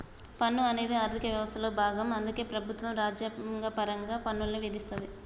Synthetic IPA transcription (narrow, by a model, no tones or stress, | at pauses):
pɐnːuɐne̞ːd̪iaːɾt̪ʰikɐʋjɐʋɐst̪ɐloːbʱaːɡɐmɐnd̪uke̞ːpɾɐbʱut̪ʋɐmɾaːd͡ʒjɐŋɡɐpɐɾɐŋɡaːpɐnːulɐniʋid̪ist̪ɐnd̪i